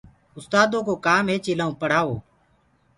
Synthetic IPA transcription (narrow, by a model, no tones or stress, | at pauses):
ʊst̪aːd̪õːkoːkaːmɦeːt͡ʃeːlaːõːpəɽ̤aːoː